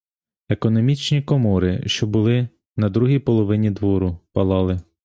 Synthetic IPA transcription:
ekɔnɔmʲit͡ʃnʲikɔmɔɾɪ̰ʃt͡ʃɔbʊlˠɪ | nɐd̪ɾuɦijpɔlˠɔʋɪnʲid̪ʋɔɾʊpɐlˠɑlˠɪ

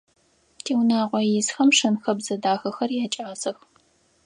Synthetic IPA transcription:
tʰiːwnaːqʷɔjɪzxɐmʂɐnxɐbzɐdaːxɐxɐrjaːt͡ʃʼaːzɐx

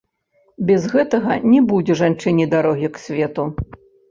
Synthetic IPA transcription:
bʲɛzɣɛt̪ɐɣɐnʲɛbud͡zʲɛʐant͡ʂɨnʲid̪aɾɔɣʲiksʲvʲɛt̪u

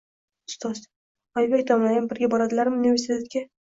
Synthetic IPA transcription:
ʊ̥st̪ɒz | ɒjvat̪ʰɒmlajʲanbɪɾɡʲabɒɾad̪ɪlaɾmɪunivesit̪ʰet̪kʲe

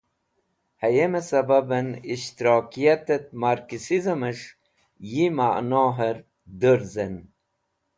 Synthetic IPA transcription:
hɐjemesɐbɐbɐniʃt̪iɾoːkijat̪et̪̚maɾkisizɐməʂ | jimaʔnoːɦəɾ | d̪əɾzen

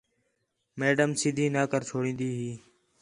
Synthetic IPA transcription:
meːɖəmsɪd̪ʱiːnaːkəɾt͡ʃʰoːɽĩːnd̪iːɦiː

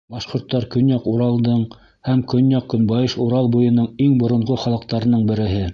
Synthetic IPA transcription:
bɑʃqŏɾt̪ːɑɾkɵ̆njɑquɾɑlˠd̪ɤɴ | hæmkɵ̆njɑqkɵ̆nbɑjɤʃuɾɑlˠbujɤ̆nɤɴiŋbŏɾŏɴʁoχɑlˠɤ̆qt̪ɑɾɤ̆nɤɴbɘ̆ɾɘ̆ɦɘ

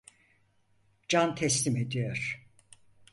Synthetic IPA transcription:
d͡ʒant̪ʰɛslʲime̞d̪ijoɾ̥

